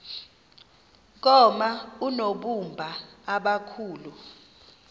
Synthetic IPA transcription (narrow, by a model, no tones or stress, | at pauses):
k̬ɔmaunoɓumbʱaːɓakʰuːlu